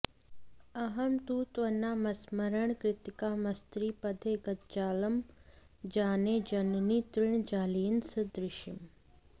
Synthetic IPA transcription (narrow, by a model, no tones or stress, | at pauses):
ɐɦɐmt̪uːt̪ʋɐnːaːmɐsmɐɾəɳ̃kɾɪt̪ɪkaːmɐst̪ɾiːpɐd̪ʱeːɡɐt̪d͡ʒaːlɐm | d͡ʒaːneːd͡ʒɐnniːt̪ɾɪɳ̃d͡ʒaːliːnsɨd̪ɾɪʃɪm